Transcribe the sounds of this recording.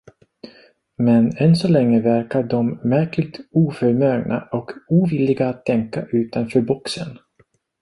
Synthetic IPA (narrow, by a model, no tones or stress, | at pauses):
mɛnɛnsɔlɛŋːəvæɾkaɖɔmːæɾklɪɡ̚t̪uːfœɾmœːɡnʔa̰ʔɔkuːvɪlːɪɡaːt̪ʰːɛŋkaʔʉ̟ːt̪anfœːɾbɔksə̰n